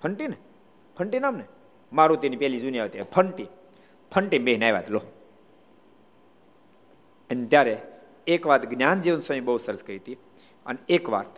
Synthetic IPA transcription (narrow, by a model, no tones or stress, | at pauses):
pʰəɳʈine | pʰəɳʈinamne | maɾũt̪enipɛɦlid͡ʒuniaʋet̪ipʰəɳʈi | pʰəɳʈibeɦnajʋa̰t̪lo | ənt̪jaɾe | ekʋat̪ɡnjand͡ʒiʋənsaĩbəɦusəɾəskəɾit̪i | ə̰neekʋa̰t̪